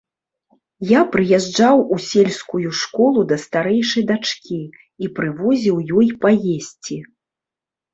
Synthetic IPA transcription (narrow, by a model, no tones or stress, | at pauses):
japɾɨjɛʐd͡ʐawusʲelʲskujuʂkɔlˠud̪ɐst̪aɾɛjʂɐjd̪at͡ʂkʲi | ipɾɨvɔzʲiwjɔjpajesʲt͡sʲi